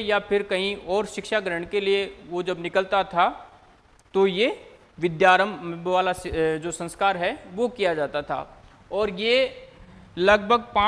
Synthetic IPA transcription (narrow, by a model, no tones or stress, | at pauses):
japʰɪɾkɐɦĩɔːɾʃɪkʃaɡɾəɽ̃kelieʋod͡ʒɐbnɪkəlt̪at̪ʰa | t̪oje | ʋɪd̪jaːɾəmʋaːlasd͡ʒoːsə̃nskaːɾɦɛʋokijad͡ʒaːt̪at̪ʰa̰ː | ɔːɾje | lɐɡbʱəɡpãː